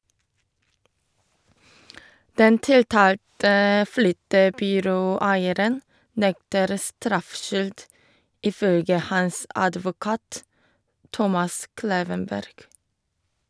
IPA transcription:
ˈdɛn ˈtɪlˌtɑːltə ˈflʏtəbʏˌɾoːˌæɪəɾən ˈnɛktəɾ ˈstɾɑfˌʃʏld ˈiː ˈfœlɡə ˈhɑs ˈɑdʋʊˌkɑːt ˈtɔmɑs ˈkleːʋənˌbæɾɡ

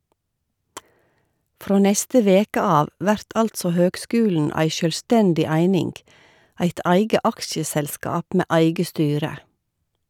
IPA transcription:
ˈfɾoː ˈnɛstə ˈʋeːkə ˈɑːʋ ˈʋæɾt ˈɑltsɔ ˈhøːɡˌskʉːln̩ ˈæɪ ʃœlˈstɛndɪ ˈæɪnɪŋɡ ˈæɪt ˈæɪɡə ˈɑkʃəsɛlˌskɑːp ˈmeː ˈæɪɡə ˈstyːɾə

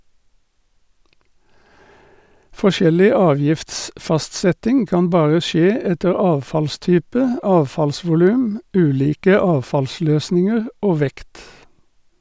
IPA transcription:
fɔˈʃɛlɪ ˈɑːˌʋjɪftsfɑstˌsɛtɪŋ ˈkɑːn ˈbɑːʁə ˈʃeː ˈɛtəʁ ˈɑːʋfɑlˌstyːpə ˈɑːʋfɑlsʋʊˌlʉːm ˈʉːˌliːkə ˈɑːʋfɑlˌsløːsnɪŋəʁ ˈoː ˈʋɛkt

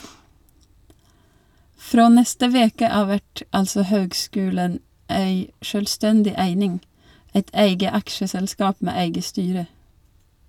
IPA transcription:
ˈfɾoː ˈnɛstə ˈʋeːkə ˈɑːʋ ˈʋæʈ ˈɑlsɔ ˈhøːɡˌskʉːlən ˈeɪ ˈʃøːlˌstɛndɪ ˈæɪnɪŋ ˈɛt ˈæɪɡə ˈɑkʃəsɛlˌskɑːp ˈmeː ˈæɪɡə ˈstyːɾə

